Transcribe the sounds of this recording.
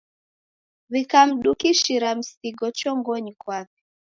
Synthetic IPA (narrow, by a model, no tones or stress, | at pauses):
βikam̩ɗukiʃiɾam̩siɡɔt͡ʃɔŋɡɔɲikwakɛ̥